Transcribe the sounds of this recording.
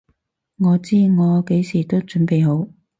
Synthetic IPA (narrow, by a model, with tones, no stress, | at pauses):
ŋɔː˨˧t͡siː˥ŋɔː˨˧ke˨˥jsiː˨˩t̪o˥wt͡ʃɵ˨˥npe˨jɦo˨˥w